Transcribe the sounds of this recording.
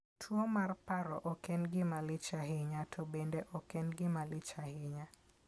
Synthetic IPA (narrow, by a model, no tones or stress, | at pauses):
tʰwomarpaɾɔʔɔkɛnɡɪmalɪt͡ʃaɦɪɲatʰobendeʔɔkɛnɡɪmalɪt͡ʃahɪɲa